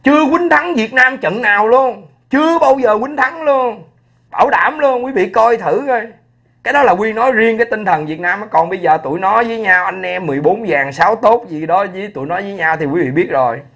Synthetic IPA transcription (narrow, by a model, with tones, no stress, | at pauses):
t͡ɕɨ˧əkwï˨˦ŋ̟t̪ʰa˨˦ŋvi˨˩ət̚naː˧mt͡ɕə̰˧˨nnaː˨˩wlu˧ən | t͡ɕɨ˧əɓaː˧wzəː˨˩kwï˨˦ŋ̟t̪ʰa˨˦ŋlu˧ən | ɓaː˧˩wɗa̰ː˧˩mlu˧ənkwi˨˦vḭ˧˨kɔ˧jt̪ʰɨ˧˩o˧j | kaː˨˦jɗɔ˨˦laː˨˩wi˧nɔ˨˦jzi˧əŋkaː˨˦jt̪ï˧ŋt̪ʰə˨˩nvi˨˩ək̚naː˧mːɔ˨˦kɔ˨˩nɓə˧jzəː˨˩t̪ṵ˧˩əjnɔ˨˦jvəː˨˦jɲaː˧wʔa˧jŋ̟ʔɛ˧mːɨ˨˩əjɓo˨˦nzaː˨˩ŋsaː˨˦wt̪o˦˥t̚zi˨˩ɗɔ˨˦zə˨˦jt̪u˧˨jnɔ˨˦jzəː˨˦jɲaː˧wt̪ʰi˨˩kwi˨˦vḭ˧˨ɓi˦˥t̚zo˨˩j